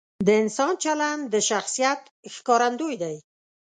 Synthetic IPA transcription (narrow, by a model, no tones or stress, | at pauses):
d̪əɪnsɑnt͡ʃaland̪əʃaxsijat̪ | xkɑɾand̪ojd̪aj